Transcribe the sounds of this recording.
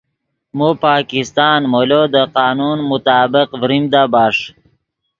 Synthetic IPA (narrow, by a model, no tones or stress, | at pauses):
mupaːkist̪ɑːnmolod̪əqɑːnunmʊt̪ɑːbɪqvɾimd̪abɑːʂ